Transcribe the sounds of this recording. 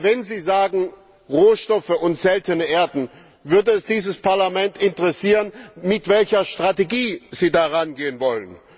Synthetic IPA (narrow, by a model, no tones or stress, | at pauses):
vɛnziːzaːɡŋ̩ | ʁoːʃtɔfəʊntz̥ɛltənəʔeːɐdn̩ | vʏɐdəɛsd̥iːzəspaɐlamɛntɪntəʁɛsiːʁənmɪtv̥ɛlçɐʃtʁ̥ateɡiːz̥iːdaʁanɡeːənvɔlən